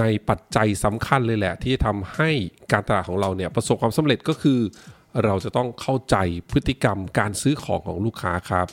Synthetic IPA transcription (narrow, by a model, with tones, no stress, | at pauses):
na˧jpa˨˩t̪̚t͡ɕa˧jsa˩˦mkʰa˧nlɤː˧jlɛ˨˩t̪ʰiː˥˩t͡ɕa˨˩t̪ʰa˧mha˥˩jkaː˧nt̪a˧laː˨˩t̚kʰːŋɾa˧wni˥˩ɐpɾa˧so˨˩p̚kʰːwaː˧msa˨˦mɾe˨˩t̪̚kɔː˥˩kʰɯː˧ | ɾa˧wt͡ɕa˨˩t̪ɔ˥˩ŋkʰa˥˩wt͡ɕa˧jpʰɯ˦˥t̪ʰːi˧˩ka˧mkaː˧nsɯː˦˥kʰɔ̰ː˩˦ŋkʰɔː˩˦ŋluː˥˩kʰa̰ː˦˥kʰɾa˦˥p̚